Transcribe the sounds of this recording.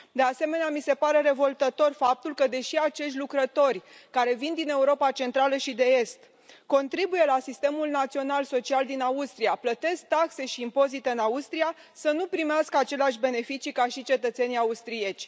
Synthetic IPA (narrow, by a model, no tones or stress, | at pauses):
d̪e̞ase̞me̞neamise̞paɾe̞ɾe̞vo̞lt̪ət̪o̞rfap̚t̪ulkəd̪e̞ʃiat͡ʃe̞ʃtʲlukɾət̪o̞rʲkaɾe̞vind̪ine̞uɾo̞pat͡ʃe̞nt̪ɾaləʃid̪e̞est̪ | ko̞nt̪ɾibuje̞lasist̪e̞mulnat̪sio̞nalso̞t͡ʃiald̪inaust̪ɾijaplət̪e̞sk̚t̪akse̞ʃiːmpo̞zit̪eɨnaust̪ɾia | sənupɾimeaskəat͡ʃe̞leaʃʲbe̞ne̞fit͡ʃikaʃit͡ʃe̞t̪ət̪se̞niaust̪ɾie̞t͡ʃʲ